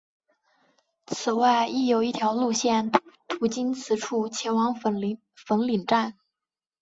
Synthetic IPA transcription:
t͡sʰɹ̩˨˩wa˥˩ɪi˥˩jo˧˩˥ʊi˥˩t̪ʰjɑ˧˥ʊlu˥˧ɕjɛ˥˩nt̪ʰu˧˥t͡ɕi˥nt͡sʰɹ̩˧˥ʈ͡ʂʰu˥˩t͡ɕʰjɛ˧˥nwɑ˧˥ŋ˧˥ | fə˧˥nli˨˩ŋʈ͡ʂa˥˩n

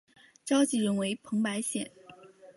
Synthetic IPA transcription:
ʈ͡ʂɑ˥ʊt͡ɕi˥˩ɻə˧˥nwe˧˥ɪpʰɤ˧˥ŋpa˧˥ɪɕjɛ̰˨˩˦n

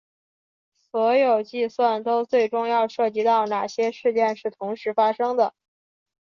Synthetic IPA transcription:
swɔ˧˥jo˨˩ʊt͡ɕi˥˧swa˥˩nt̪o˥ʊt͡swe˥˩ɪʈ͡ʂʊ˥ŋjɑ˥˧ʊʂɤ˥˩t͡ɕi˧˥t̪ɑ˥˩ʊna˨˩ɕjɛ˥ʂɻ̩˥˧t͡ɕjɛ˥˧nʂɻ̩˥˩t̪ʰʊ˧˥ŋʂɻ̩˧˥fa˥ʂɤ˥ŋd̪ə˨

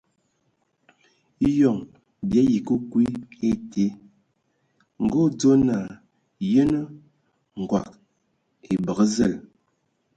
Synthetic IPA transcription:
jɔ˨ŋ | bja˨˦ji˨kə˦kwi˦e˦te˨˦ | ŋ̩˨ɡo˦d͡zo˦na˨ | jə˦nə˦ | ŋ̩˨ɡwa̰˨k̚ | e˨bə˨ɣə˦zə˦˨l

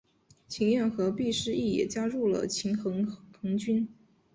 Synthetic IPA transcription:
t͡ɕʰi˧˥ŋɥɛ˥˩nxɤ˧˥pi˥˩ʂɻ̩˥i˥˩jɛ̰˨˩t͡ɕja˥ɻu˥˩lə̰˩t͡ɕʰi˧˥ŋxɤ˧˥ŋxɤ˧˥ŋt͡ɕy˥n

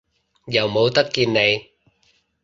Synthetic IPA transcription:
jɐ˨˩wmo˨˥wt̪ɐ˦˥kki˧nːe˨˩j

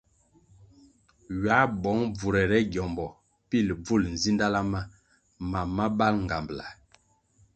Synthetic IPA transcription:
ɥa˨˦bɔ˨˦ŋb͡vu˨ɾɛ˨ɾɛ˦ɡjɔ˨mbɔ˨ | pi˦˨lb͡vu˦˨ln̩˨zi˦nda˦la˦ma˦ | ma˨ma˦ba˦lŋ˨ɡa˨mbla̰˨

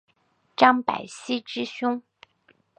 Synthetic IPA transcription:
ʈ͡ʂɑ˥ŋpa̰˨˩ɪɕi˥ʈ͡ʂɻ̩˥ɕʊ˥ŋ

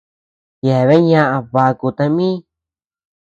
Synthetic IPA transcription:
ja˨βe˦ɲã˦ʔa˧βa˧ku˧t̪ã˧mĩ˦

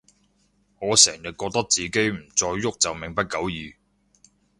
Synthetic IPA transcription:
ŋɔː˨˧sɛː˨˩ŋjɪ˨t̚kɔː˧k̚t̪ɐ˥k̚t͡siː˨ke˨˥jm̩˨˩t͡sɔː˧jːʊ˥k̚t͡sɐ˨wmɪ˨˩ŋpɐ˥t̚kɐ˨˥wjiː˨˧

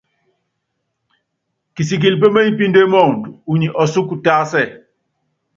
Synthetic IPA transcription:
ki˨si˨k̬i˨lp̬e˦me˦ɲi˦pi˦nde˦mɔ˦˨ŋ˨tu˨u˨ɲi˨ʔɔ˨su˦ku˨ta˦sɛ˦˨

